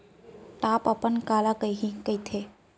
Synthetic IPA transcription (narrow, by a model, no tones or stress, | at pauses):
ʈaːpəpənkaːlakəjɦĩkəit̪ʰe